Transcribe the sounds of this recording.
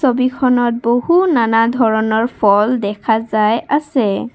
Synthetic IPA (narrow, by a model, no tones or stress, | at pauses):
sobikʰɔnɔt̚bohunanadʱɔɹɔnɔɹpʰɔldɛkʰazajasɛ